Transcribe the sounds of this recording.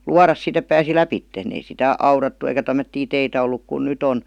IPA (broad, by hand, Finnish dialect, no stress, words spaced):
luɑrɑs sit ep pæːsi læpitːen ei sitæ ɑurɑtːu eikæ tæmːøtːiː teitæ olːuk kun nyt on